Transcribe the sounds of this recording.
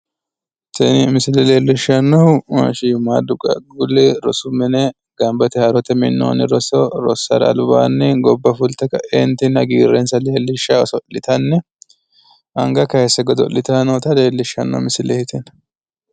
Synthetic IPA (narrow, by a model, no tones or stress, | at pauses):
t̪ɛnɪmɪsɪlɛleːlːɪʃɐnːɐwmɐʃijmaːd̪ʊkʼɐ̰ɡʊlːɛɾɔsʊmɛnɛ | ɡ̥ɐmbɐt̪ɛhɐɾɔt̪ɛmɪnːo̰ːnɪɾɔsɔɾɔ̰sːɐ̰ɾɐ̰lba̰ːnːɪɡɔbːɐfʊlt̪ɛkɐʔɛnt̪ɪnɐɡiːrːɛnsɐleːlːɪʃːɐsɔlːɪt̪ɐnːɛ | ʔɐŋɡɐkɐhɛsːɛɡɔd̪ɔ̰lːɪt̪ɐnot̪ɐleːlːɪʃɐnːɐ̰wmɪsɪlɛhɪt̪ʰɛn